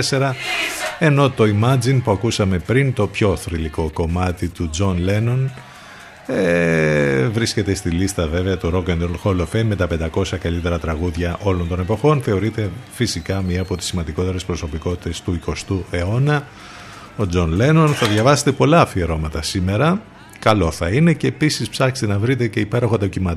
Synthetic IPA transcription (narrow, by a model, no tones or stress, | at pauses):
ese̞ɾɐ | e̞no̞t̪o̞imɐd͡zinpuɐkusɐme̞pɾint̪o̞pço̞θɾiliko̞ko̞mɐt̪it̪ud͡zo̞nle̞no̞n | e | vɾisce̞t̪e̞st̪ilist̪ɐve̞veɐt̪uɾo̞kend̪olxolofenme̞t̪ɐpe̞nd̪ɐko̞sɐkɐlit̪e̞ɾɐt̪ɾɐɣuðʝɐʔo̞lo̞nt̪o̞ne̞po̞xo̞nθe̞oɾit̪e̞fisikɐmɲiɐːpo̞t̪i̥sːimɐnd̪iko̞t̪e̞ɾespɾo̞so̞piko̞t̪i̥t̪e̞st̪uiko̞st̪ue̞o̞nɐ | o̞d͡zo̞nle̞no̞nθɐðʝɐvɐse̞̥t̪epo̞lɐfieɾo̞mɐt̪ɐsime̞ɾɐ | kɐlo̞θɐine̞ce̞ːpisispsɐkst̪enɐvɾit̪e̞ce̞ipe̞ɾo̞xoɐd̪ocimɐt̪